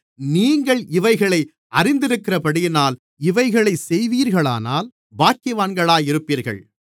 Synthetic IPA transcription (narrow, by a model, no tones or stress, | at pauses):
niːŋɡɐɭɪʋɐɪɣɐɭɐɪ | ɐɾɪnd̪ɪɾɯkːɪɾɐpɐɽɪjɪnaːl | ɪʋɐɪɣɐɭɐɪsɛjʋiːɾɣɐɭa̰ːna̰ːl | baːkɪʋaːnɡɐɭaːjɪɾɯpːiːɾɣɐ̰ɭ